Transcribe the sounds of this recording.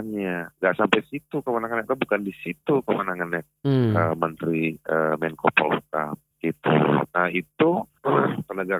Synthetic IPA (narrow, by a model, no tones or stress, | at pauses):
aɲaŋɡaʔsampajsit̪ukəmanaŋənɛk̚t̪abukandisit̪ukəmanaŋənɛk̚əmənt̪ɾiəmɛnkopa̰lṵt̪a̰m | ɡ̥it̪ṵnahit̪u | p̪ənəɡa